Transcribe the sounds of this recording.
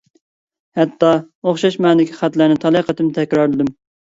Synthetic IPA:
hɛt̪ːɑ | oχʃɑʃmɛnd̪ɪkʲʰiχæt̪læɾnɪt̪ʰɑlˠiqət̪ɨmt̪ʰɛkʲɾɑɾlˠɨd̪ym

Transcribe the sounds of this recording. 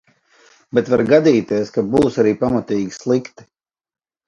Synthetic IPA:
bet̪vaɾɡad̪iːt̪iɛskabuːsaɾiːpamat̪iːɡʲislˠikt̪i̥

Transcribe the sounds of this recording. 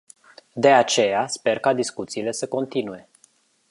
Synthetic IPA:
d̪e̞at͡ʃe̞jaspe̞rkad̪iskut̪siːle̞səko̞nt̪inuje̞

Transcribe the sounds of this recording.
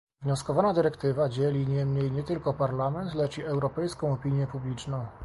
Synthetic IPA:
vɲɔskɔvanad̪ɘɾɛkt̪ɘvad͡ʑɛlʲiɲɛmɲejɲɛt̪ɘlkɔpaɾlamɛnt̪lɛt͡ʂiɛwɾɔpɛjskɔ̃w̃ɔpʲiɲjɛpublʲit͡ʂnɔ̃w̃

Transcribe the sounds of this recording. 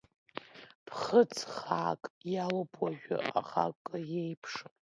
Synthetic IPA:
pʰχət͡sʰχaːkʼjalopʰʼwaʒᶣʊ̰ʔa̰χa̰kʼajejpʰʂɨ

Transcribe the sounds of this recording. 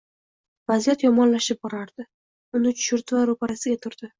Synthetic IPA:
vazijat̪jɒmɒnlaʃɪp̚bɒɾaɾd̪̥ɪ | ʊnɪt͡ʃ̪ʰʊ̥ʃʊɾd̪ɪvaɾopaɾasɪɡʲat̪ʰʊɾd̪̥ɪ

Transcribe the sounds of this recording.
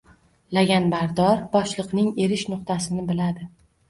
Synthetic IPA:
laɡʲanbaɾd̪ɒɾbɒʃlˠɨqnɪŋe̞ɾɪʃnʊq̚t̪ʰasɪnɪbɪlad̪ɪ

